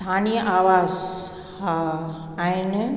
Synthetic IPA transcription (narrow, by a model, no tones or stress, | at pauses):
t̪ʰaːnijəʔaːʋaːz | ha | ain